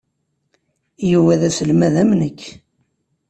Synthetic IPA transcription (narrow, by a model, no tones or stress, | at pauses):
juwæðæsəlmæðæmnəkʰː